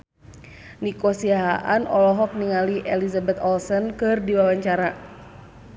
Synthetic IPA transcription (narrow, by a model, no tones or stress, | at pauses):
nikɔsiaɦaʔanɔlɔɦɔk̚niŋaliʔɛlizabɛt̪ɔlsənkɨrdiwawaɲt͡ʃaɾa